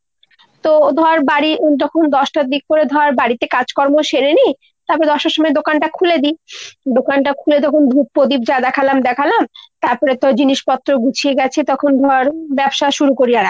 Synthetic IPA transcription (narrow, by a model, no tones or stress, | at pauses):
t̪od̪ʱɔɾaɾbaɽiod͡ʑɔkʰond̪ɔʃʈad̪ik̚poɾed̪ʱɔɾaɾbaɽit̪ekad͡ʑkɔɾmoʃeɾeni | t̪aɾpɔɾed̪ɔʃʈaʃɔmɔed̪okanʈakʰuled̪id̪okanʈakʰuled͡ʑɔkʰond̪ʱup̚ːod̪ib̚d͡ʑad̪ɛkʰalamd̪ɛkʰalamt̪aɾpɔɾet̪ɔd͡ʑiniʃpɔt̪ːɾoɡut͡ɕʰieɡɛt͡ɕʰet̪ɔkʰond̪ʱɔaɾbɛbʃaʃuɾukoɾijaɾa